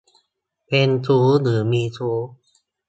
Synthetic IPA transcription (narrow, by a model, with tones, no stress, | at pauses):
pʰe˧nsʰuː˦˥nɯː˩˦miː˧sʰuː˦˥